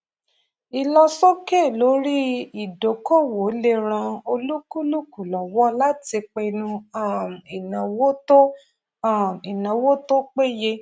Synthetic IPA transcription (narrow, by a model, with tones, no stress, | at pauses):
i˨lɔ˧so˦ke˦˨lo˨˦ɾi˦i˦˨do˨kɔ˦˨wo˨˦le˧ɾã˧o˧lu˦ku˦lu˦ku˨lɔ˨wɔ˦la˦ti˧k͡pe˧nũ˧a˦˨m˨i˨nã˨wo˦to˦ | a˦˨i˨nã˨wo˦to˦k͡pe˦je˧